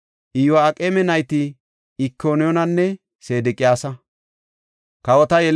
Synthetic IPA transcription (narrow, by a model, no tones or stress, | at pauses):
ʔɪjwaːkʼeːmɛnɐjt̪ɪ | ɪkʰːoːnɪjɔnɐnːɛ | se̞ːd̪ɪkʼɪjaːsɐ | kɐwɔt̪ɐjɛl